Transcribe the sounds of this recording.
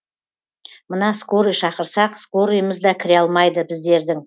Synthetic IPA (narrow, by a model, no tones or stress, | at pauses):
mənɑskoɾijʃɑqəɾsɑqskoɾijəməzd̪ɑkʲʰɪɾeɑlˠmɑjd̪əbɪzd̪e̞ɾd̪ɪŋ